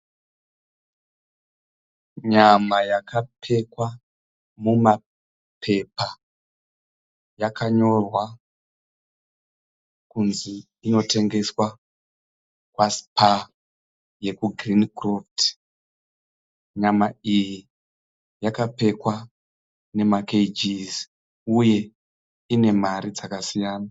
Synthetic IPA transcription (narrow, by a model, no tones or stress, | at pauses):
ɲamajakapʰe̞kwa | muma | pʰe̞pa | jakaɲo̞rwa | kunziː | no̞te̞ŋɡe̞swa | kwaspa | je̞kuɡʱrinikroft | ɲamaiji | jakape̞kwa | ne̞maked͡ʒiz | uje̞ | ine̞maɾid͡zakasijaːna